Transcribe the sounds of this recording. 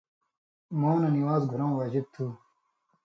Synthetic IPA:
moːnɐniwaːzɡʱuɾɐw̃waːd͡ʑib̚t̪ʰuː

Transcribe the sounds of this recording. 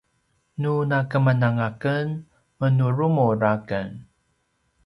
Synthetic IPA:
nunakəmənaŋakən | mənuɾumuɾakə̰n

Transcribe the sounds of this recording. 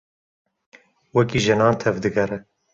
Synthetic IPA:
wɛkiːʒɨnɑːnt̪ʰɛvd̪ɨɡɛɾɛ

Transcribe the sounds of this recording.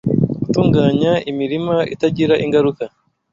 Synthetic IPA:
ɡutuːŋɡaːɲaimiɾimaḭtaɟiɾaʔiŋɡaɾuka

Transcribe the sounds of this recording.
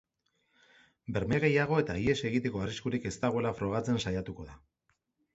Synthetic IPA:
be̞ɾmeɣe̞jaɣ̞o̞e̞t̪aie̞se̞ɣ̞it̪e̞ko̞ariskuɾike̞st̪aɣoe̞lafɾo̞ɣ̞at͡se̞nsajat̪uko̞ða

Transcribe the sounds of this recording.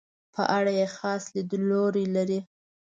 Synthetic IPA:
pʰə̰ʔaɽajexɑslid̪əloɾilaɾi

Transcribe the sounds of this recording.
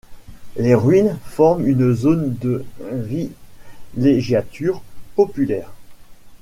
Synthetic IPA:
leʁɥinfɔʁmynzond̪əvi | leʒjat̪ʰyʁpɔpylɛːʁ

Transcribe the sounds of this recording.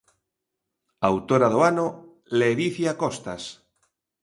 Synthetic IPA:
awt̪oɾaðoano | leɾiθjakost̪a̰s

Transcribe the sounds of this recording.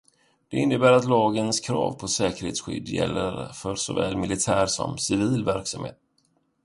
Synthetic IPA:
d̪̥ɛɪnːəbæːɾat̪lɑːɡənskʰɾɑːvpʰɔsɛːkəɾheːt̪sɧʏ̰d̪ːjɛ̰lːəɾfœɾsɔvɛːlmɪlɪt̪ʰæːɾsɔ̰msɪviːlvæɾksamhḛːt̪̚

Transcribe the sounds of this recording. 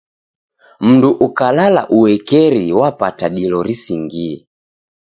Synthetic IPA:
m̩nduʔukalala̰ʔuwɛkɛɾiwapataɗilɔɾisiŋɡiɛ

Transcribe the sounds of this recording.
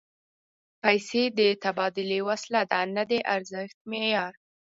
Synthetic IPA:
pajsed̪ət̪abɑd̪ɪlewaslad̪anad̪eʔaɾzɪxt̪̚mejɑɾ

